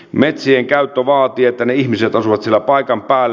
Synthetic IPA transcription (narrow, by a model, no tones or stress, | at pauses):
met̪sieŋkæyt̪ːøʋɑːt̪iɑet̪ːæneiçmiset̪ɑsuʋɑt̪sielːæpɑikɑmpæːlː